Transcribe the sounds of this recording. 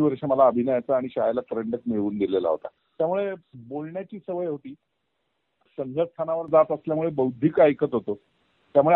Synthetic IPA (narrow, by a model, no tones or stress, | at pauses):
iʋəɾʂeməlaəbʱinəjat͡saːɽ̃iɕajalat̪ɾeɳɖəkmiɭʋuːnd̪ilela̰ɦo̰t̪a̰ | t̪jamuɭebolɳjat͡ɕiːsəʋəjɦot̪iː | səŋɡʱəst̪ʰanaʋəɾd͡zat̪əsljamuɭebəwd̪ʱiːkajkət̪ɦot̪o | t̪jamuɭe